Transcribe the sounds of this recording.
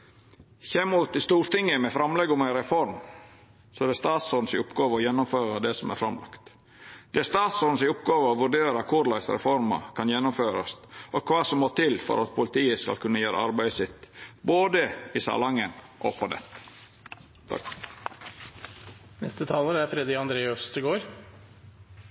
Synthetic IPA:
çɛmuːt̪ɪst̪uːɾt̪ɪŋːəmɛfɾɑmlɛɡʊmæɪɾɛfɔɾm | sɔɛd̪ɛst̪ɑːt̪sɔnsɪʊpɡɑːʋəɔjɛnːʊmføːɾəd̪ɛsɔmæɾfɾɑmlɑ̰kt̪ | d̪̥ɛæɾst̪ɑːt̪sɔnsɪʊpɡɑːʋəɔʋʉɖeːɾəkʰʊɾlɑɪsɾɛ̰fɔɾmɑ̰kʰɑnjɛnːʊmføːɾɑst̪ʔɔkʰʋɑːsɔmːoːt̪ʰɪlfɔ̰ɾɑt̪̚pʰʊlɪt̪ʰiːəskɑ̰lkʰʉnːəjæːɾə̰ɑɾbæɪsɪt̪ːboːd̪əɪsɑ̰lɑŋːənʔɔ̰pʰɔd̪ɛ̰t̪ːə̥ | t̪ʰɑ̰k | nɛ̰st̪ət̪ʰɑːləɾæɾfɾɛd̪ɾɪɑnd̪ɾeːəst̪ʰɪɡoːɾ

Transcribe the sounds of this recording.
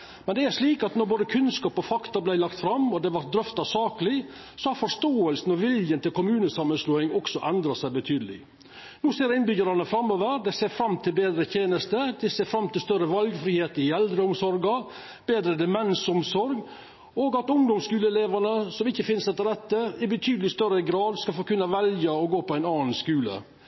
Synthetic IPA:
mɛnd̪ɛæɾʂɭiːkɑt̪nɔɾboːd̪əkʰʉnskɑːpɔfɑkt̪ɑblæɪlɑkt̪fɾɑmːɔd̪ɛʋɑɾt̪̚d̪ɾœft̪ɑsɑːkəlɪ | sɔhɑɾfɔʂt̪oːəlsn̩ɔʋɪljənt̪ɪlkʊmʉːnəsɑmːənsluːɪŋɔksɔʔɛnd̪ɾɑsæɪbət̪ʰyːd̪əlɪ̰ | nuːseːɾɪnbʏɡəɾɑnəfɾɑmːoːʋəɾd̪ɛɪseːɾfɾɑmːt̪ʰɪlbeːd̪ɾət̪ʰjeːnəst̪əd̪ɛɪseːfɾɑmːt̪ʰɪlst̪œɾːəʋɑlɡfɾiːheːt̪əɪɛld̪ɾəʊmsɔɾɡɑ | b̥eːd̪ɾəd̪ɛmɛnsɔmsɔɾɡ | oːɡɑt̪ʊŋd̪ɔmskʉːləleːʋɑnəsɔmɪçːəfɪnsɛt̪ːəɾɛt̪ːəɪbət̪ʰyːd̪əlɪst̪œɾəɡɾɑːd̪skɑlfoːkʉnːəʋɛljɑɔɡoːpʰɔæɪnɑːnskʉːlə̰

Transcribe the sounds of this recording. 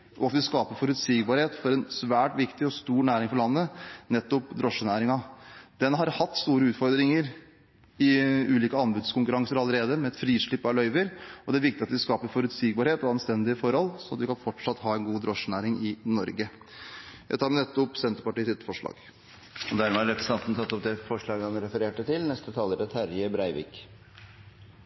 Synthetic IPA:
ʔɔɑt̪ʋɪskɑːpəɾfɔɾʉt̪siːɡbɑɾheːt̪fɔɾɛnsʋæːʈʋɪkt̪ɪɔst̪uːɾɳæːɾɪŋfɔɾɭɑnːənɛt̪ːʊpd̪ɾɔʂːənæːɾɪŋɑd̪̥ɛnɦɑɾhɑt̪ːst̪uːɾəʉːt̪fɔɾd̪ɾɪŋəɾ | ɪʉːliːkəɑmbʉd̪skʊŋkʉɾɑŋsəɾɑlːəɾeːd̪əmɛɛt̪fɾiːʂɭɪpːɑlœʏʋəɾɔd̪ɛæɾʋɪk̚t̪ɪɑt̪ʋɪskɑːpəɾfɔɾʉt̪siːɡbɑɾheːt̪ɔɑnst̪ɛnd̪ɪəfɔɾhɔlsɔɑt̪ʋɪkɑnfɔʈʂɑt̪ːhɑːɛɪnɡuːd̪ɾɔʂnæːɾɪŋɪnɔɾɡə | jʔæɪt̪ʰɑːɾmɛnɛt̪ːʊpːsɛnt̪əɾpɑʈiːsɪt̪ːfɔʂɭɑ̰ːɡ | ɔd̪æɾmɛɑɾɛpɾəsɑnt̪nət̪ʰɑt̪ːɔp̚d̪ɛfɔʂɭɑːɡəhɑnɾɛfəɾeːʈət̪ʰɪlnɛst̪ət̪ʰɑːlːəɖɛt̪hæɾjəbɾæɪʋɪ̰ːk

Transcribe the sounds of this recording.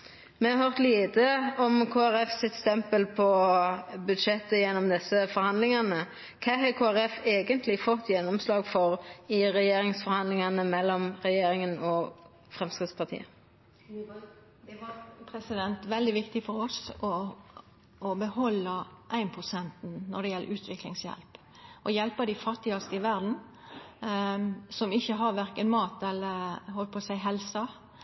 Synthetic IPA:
mɛhɑɾhøʁt̪liːt̪əɔmkʰoːæɾɛfsɪt̪st̪ɛmpəlpʰɔ | bʉd̪ʃɛt̪ːəjɛnːɔmd̪ɛsːəfɔɾhɑnd̪lɪŋɑnə | kʰɑːhɑkʰoːæɾɛfeːɡənt̪lɪfɔt̪ːjɛnːɔmslɑːɡfɔʁɪʁɛjeːɾɪŋsfɔɾhɑnd̪lɪŋɑnəmɛlːɔmʁɛjeːɾɪŋənɔ | fɾɛmskɪt̪spʰɑʁt̪ʰḭːə | d̪ɛʋɑpʰɾɛsɪd̪ɛnt̪ʋɛld̪ɪʋɪkt̪ɪfɔɾɔsɔ | bəhɔlːəʔæɪnpʰʁʊsɛnt̪n̩nɔd̪ɛjɛlːə̰ʔʉːt̪ʰʋɪklɪŋsjɛ̰lp | ʔɔjɛlpəd̪ɪfɑt̪ːɪɑst̪əɪʋæɾd̪n̩ | sɔmɪçːəɦɑʋæɾkənmɑːt̪ɛlːəɾɦɔlt̪pʰoːsæɪɦɛlsɑ

